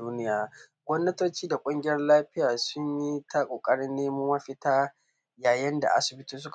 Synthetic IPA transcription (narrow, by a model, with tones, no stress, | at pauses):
uː˦nɪ˦jaː˨ɡʷɔ˦mnɐ˦toː˦t͡ʃiː˦da˨kʷʼʊ˦ŋɡʲɪ˨˦jɐ˦rlaː˦ɸɪ˦jaː˨sʊ˦ɲji˦tʰa˦kʷʼoː˨kʼɐ˦ɽɪ˦nːeː˦mʊ˦mɐ˦ɸɪ˦taː˦ | jaː˨jɐ˦nda̰˨ʔa̰˨sɪ˨bɪ˦tuː˦s̬ʊ˦k